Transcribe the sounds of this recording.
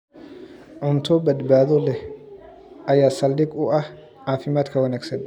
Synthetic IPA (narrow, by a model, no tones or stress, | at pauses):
ʕʊmt̪ʰoːbɐd̪baːd̪ɔlɛ | ʔɐjaːsɐldɪkʼuʔɐ | ʕaːfɪmaːt̪kɐwɐnɐksɛn